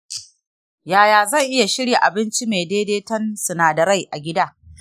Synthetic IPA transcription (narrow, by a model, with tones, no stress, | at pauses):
jaː˨jaː˨zɐ˦˨ŋʔɪ˦ja˨ʃɪ˦ɽja˨ʔa˨bɪ˦nt͡ʃi˦meː˨deː˦deː˦tɐ˦nsʊ˨naː˨dɐ˨ɾa˦˨jʔa˨ɡʲɪ˦daː˦